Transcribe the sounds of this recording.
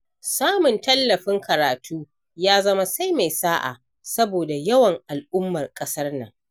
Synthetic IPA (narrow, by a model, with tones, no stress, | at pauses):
saː˦mʊ˨ntɐ˦lːɐ˨ɸɪ˦ŋkɐ˨ɾaː˨tʰuː˦ | jaː˦zɐ˦ma˦sa˦jma˨jsaː˦ʔa̰˨ | sɐ˦boː˨da˨jɐ˦wɐ˨ŋʔa˨lʔʊ˦mːɐ˨rkʼɐ˦sɐ˦rnɐ̰˨ŋ